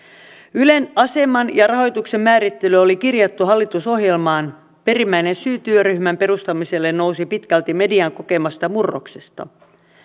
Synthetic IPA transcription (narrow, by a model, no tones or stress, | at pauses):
yle̞nɑse̞mɑnjɑrɑɦo̞jt̪ukse̞mːæːɾit̪ːe̞lyolikirjɑt̪ːuɦɑlːit̪uso̞ɦje̞lmɑːn | pe̞ɾimːæine̞nsyːt̪yøryhmæmpe̞ɾust̪ɑmise̞lːe̞nno̞usipit̪kælt̪ime̞diɑŋko̞ke̞mɑst̪ɑmurːo̰kse̞st̪ɑ̰